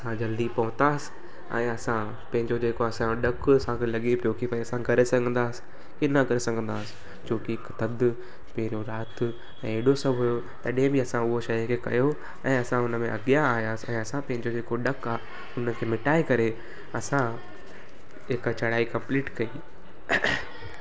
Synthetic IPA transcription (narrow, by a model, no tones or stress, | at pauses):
ɐsãd͡ʑɐld̪ipɐɦʊ̃t̪aːsɪ̥ | ɛ̰̃ːɐsã | pɐ̃ɦɪ̃ɲd͡ʑod͡ʑeːkoɐsãɗɐkɐsãkʰelɐɠepijoːkʰipɐĩɐsãɡʱɐɾesɐ̃ɡʱə̃nd̪aːsɪ̥ | ɪnɐkɐɾesɐ̃ŋɡʱə̃nd̪aːsɪ̥ | d͡ʑoːkiɪkt̪ɐd̪ʱ | pɛɦɪ̃ɾjoɾaːt̪ | ɛ̃ːeɗosɐbʱɦʊjo | t̪ɐɗɦɪ̃biɐsãʊɦoʃɐjkʰeːkɐ̰jo | ɛ̃ːɐsãʊnəmẽʔɐɠijaːɦijaːsɪɛ̃ːɐsãpɐ̃ɦɪ̃ɲd͡ʑod͡ʑeːkoɗɐka | ʊnə̆kʰeːmɪʈaːikɐɾe | ɐsã | ɦɪkt͡ɕɐɽ̤aːikɐ̃mpliːʈkɐiː